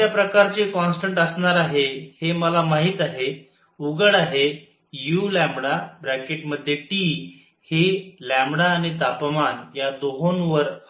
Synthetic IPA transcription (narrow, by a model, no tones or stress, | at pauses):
japɾəkaɾt͡sekɔ̃nsʈəɳʈəsɳaɾaɦeheməlamaɦiːt̪aɦe | uɡəɽaɦe | julæ̃mbɽabɾækeʈməd̪ʱːjeʈi | helæ̃mbɽaːɽ̃it̪apmanjad̪oɦonʋəɾ